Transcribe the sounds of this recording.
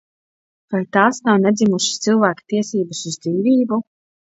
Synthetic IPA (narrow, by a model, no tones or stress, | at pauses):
vajt̪aːsnawnɛd̪zʲimuʃi̥st̪silˠvæːkḁt̪iɛsiːbasuzd̪ziːviːbu